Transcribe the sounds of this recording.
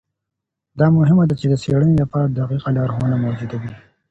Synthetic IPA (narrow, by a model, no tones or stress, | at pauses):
d̪ɑmʊɦɪmad̪at͡ʃed̪əseɽənelapɑɾad̪aqiqalɑɾɦonamowd͡ʒud̪awi